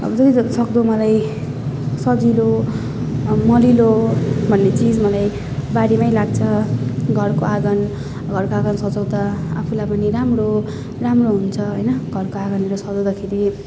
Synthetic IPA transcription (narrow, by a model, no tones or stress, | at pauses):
ʌ̰bʌd͡zʌd͡zʌsʌkd̪omʌlaj | sʌd͡zilo | mʌlilobʱʌnːet͡sid͡zmʌlaj | baɾimajlaɡt͡sʰʌɡʱʌrkoaɡʌn | ɡʱʌrkoaɡʌnsʌd͡zʌwd̪aapʰulajpʌniɾamro | ramroɦunt͡sʰʌɦʌjnʌɡʱʌrkoaɡʌnmeɾosʌd͡zʌwd̪akʰeɾi